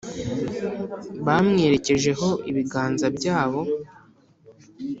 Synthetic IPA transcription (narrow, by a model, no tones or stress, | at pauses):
βamŋe̞ːɾe̞ce̞ʒe̞ɦo̞ʔiβiɡaːnzabjɟaːβo̞